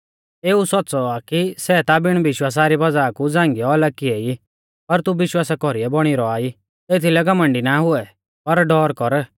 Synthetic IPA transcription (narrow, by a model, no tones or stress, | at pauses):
eːusɔtːt͡sɔakisɛt̪abɪɽ̃bɪʃwaːs̬aɾibɐd͡zaːkud͡zãːŋɡijɔlɐkiei | pɐɾt̪ubɪʃwaːsakɔɾiɛbɔɽ̃iɾɔaːi | t̪eːt̪ʰilɛɡɐmə̃ɳɖinaɦʊɛ | pɐɾɖɔːɾkɔɾ